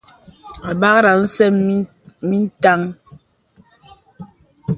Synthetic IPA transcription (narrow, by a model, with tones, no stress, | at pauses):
a˨ba˦kɾa˨n̩˦sɛ˦m˦ | mi˦n̩˦ta˦ŋ